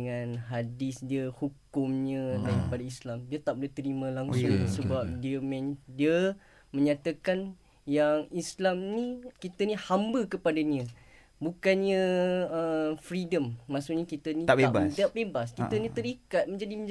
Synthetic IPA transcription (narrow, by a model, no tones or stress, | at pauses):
ŋãnɦadɪsdiəhukʊmɲə̃t̪akəpadaislamdiət̪aʔbulet̪əɾimə̃laŋsʊŋsəbap̚diəmɛ̃ndiə | mə̃ɲat̪akan | jaŋislamnikit̪ənĩhambəkəpadaɲə̃ | bukanɲə̃əfɾidəmːasuʔɲakit̪ənĩabadabebaskiənĩt̪əɾikat̪̚mə̃ɲd͡ʒadim